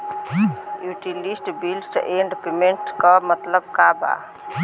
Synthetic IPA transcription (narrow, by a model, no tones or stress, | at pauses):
juːʈilisʈbilsʈeːɳɖpemẽɳʈkɔmət̪ləbkaːba̰ː